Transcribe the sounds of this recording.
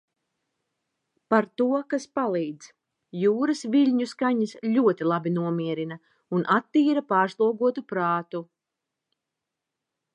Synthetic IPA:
paɾt̪uɔkaspalˠiːd̪z̥ | juːɾɐsviʎʲɲuskaɲɐsʎʲuɔt̪ilˠabinuɔmiɛɾina | unʔat̪ːiːɾapaːɾslˠuɔɡuɔt̪upɾaːt̪u

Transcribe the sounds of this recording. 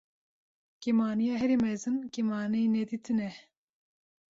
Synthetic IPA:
kemaːnijɑɦɛɾimɛzɨnkemɑːneinɛd̪it̪ʰɨnɛ

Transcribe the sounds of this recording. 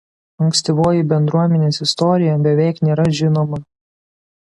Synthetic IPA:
ɐŋksʲt̪ʲiʋoːjibʲɛnd̪ɾuɔmʲɛnʲeːsɪst̪ɔɾʲɪjɛbʲɛʋʲɛˑɪknʲeːɾɐʒʲɪnoːmɐ

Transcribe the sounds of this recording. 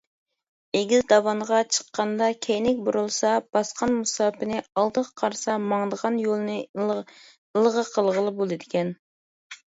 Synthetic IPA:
eɡʲizd̪ɑwɑnəʁɑt͡ʃʰə̥qːɑnd̪ɑkʲʰejnɪkʲbuɾulˠsɑb̥ɑsqʰɑnmusɑːpɨnɪɑlˠd̪əqqʰɑɾsɑmɑŋd̪əʁɑnjolˠɨnɨ | lˠəʁəqʰəlˠʁəlˠɨbolˠɨd̪ɪkʲɛn

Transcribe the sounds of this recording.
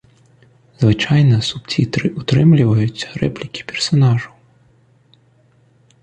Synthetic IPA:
z̥vɨt͡ʂajnɐsupt͡sʲit̪ɾɨʔut̪ɾɨmlʲivɐjut͡sʲrɛplʲikʲi̥pʲɛrsanaʐɐw

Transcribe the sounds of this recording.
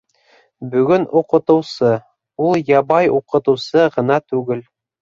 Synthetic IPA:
bɵ̆ɡɵnuqɤ̆t̪ɤ̆wsɤ | ulˠjɑbɑjuqɤ̆t̪ɤ̆wsɤʁɤ̆nɑt̪ʉɡɘl

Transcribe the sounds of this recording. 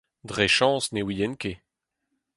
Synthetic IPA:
dʁeʃɑ̃ːsnewijɛnke

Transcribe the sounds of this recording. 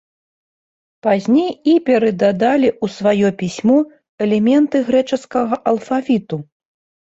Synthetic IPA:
pazʲnʲejipʲɛɾɛd̪ad̪alʲiʔusvajɔpʲisʲmɔ | ɛlʲɛmʲɛnt̪ɨɣɾɛt͡ʂɐskɐɣɐʔɐlˠfavʲit̪u

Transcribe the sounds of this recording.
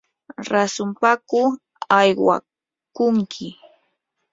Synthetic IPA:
ɾasʊmpakʊ | ajwa̰ | kʊŋkʰɪ

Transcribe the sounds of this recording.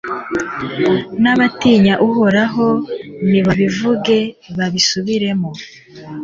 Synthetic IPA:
naβatiːɲaʔuho̞ɾaɦo̞niβaβivuɡe̞βaβisuβiɾe̞mo

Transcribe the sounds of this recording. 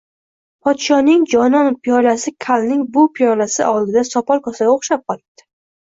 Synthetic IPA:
pʰɒt̪ʃɒnɪŋd͡ʒɒnɒnpʰijɒlasɪkʰalˠnɪŋbʊpʰijɒlasɪ̰ʔɒlˠɡ̪ʲɪd̪asɒpʰɒlˠkʰɒsaɡʲaoχʃap̚qʰɒlˠɪb̚d̪̥ɪ̥

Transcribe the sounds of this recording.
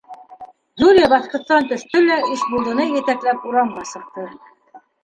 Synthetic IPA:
d̪ulʲijɑbɑθqŏt̪ːɑnt̪ɵ̆ʃt̪ɵlæiʃbulˠd̪ɤ̆nɤjɘ̆t̪æklæpuɾɑmʁɑsɤ̆q̚t̪ɤ

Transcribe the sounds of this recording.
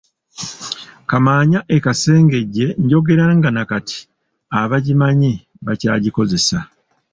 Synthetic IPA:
kamaːɲaʔe̞kase̞ːŋɡe̞ɟːe̞ɲɟo̞ɡe̞ɾaŋɡanakati̥ | aβaɟimaɲi | βaca̰ːɟiko̞ze̞sa

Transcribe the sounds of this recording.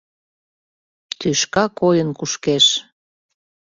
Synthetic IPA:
t̪yʃkɑkojənkuʃkeʃ

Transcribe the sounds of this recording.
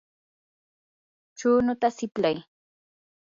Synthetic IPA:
t͡ʃuːnʊt̪asɪplaj

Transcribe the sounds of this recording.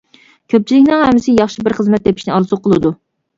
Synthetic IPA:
kʲʰøp̚t͡ʃʰilɪkʲnɪŋhɛmːɪsɪjɑχʃibɪɾχəzmɛt̪̚d̪epʰiʃnɪɑɾzuqʰəlˠɨd̪u

